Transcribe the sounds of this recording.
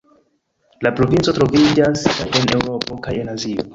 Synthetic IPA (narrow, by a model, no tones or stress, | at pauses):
lapɾo̞vint͡so̞tɾo̞vid͡ʒasene̞wɾo̞po̞kaje̞nazio̰